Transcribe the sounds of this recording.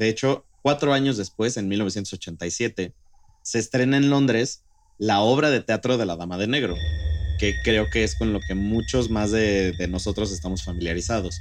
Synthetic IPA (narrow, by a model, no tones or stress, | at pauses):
e̞et͡ʃo̞ | kwat̪ɾo̞aɲo̞zðe̞spwe̞se̞nmilnosjent̪osot͡ʃe̞nt̪ajsje̞t̪e̞ | se̞ːst̪ɾe̞naẽ̞nlo̞nd̪ɾe̞s | lao̞β̞ɾaðe̞t̪eat̪ɾo̞ðe̞laðamað̞e̞ne̞ɣɾo̞ke̞kɾe̞o̞ke̞esko̞nlo̞ke̞mut͡ʃo̞zmazðeðe̞no̞so̞t̪ɾo̞s̬e̞st̪amo̞sfamiljaɾisað̞o̞s